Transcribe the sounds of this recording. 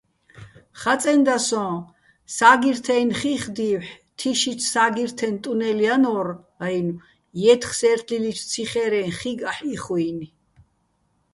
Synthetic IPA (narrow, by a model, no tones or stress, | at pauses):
χat͡sʼɛnd̪asɔ̃ː | saːɡiɾt̪ʰɛjnχiχd̪iːwħ | t̪ʰiʃit͡sʰsaːɡiɾt̪ʰɛnt̪ʼunɛlianɔr | ajnu | jɛt̪ʰχsɛɾt̪ʰlilit̪ʰt͡sʰiχɛɾɛnχiɡaħiχuini